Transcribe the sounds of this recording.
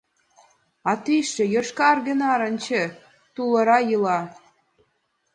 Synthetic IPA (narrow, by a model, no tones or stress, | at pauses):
ɑt̪iʃĕjɤ̆ʃkɑrɡə̆nɑɾə̆nt͡ɕĕ | t̪ulɤ̆ɾɑjɯlɑ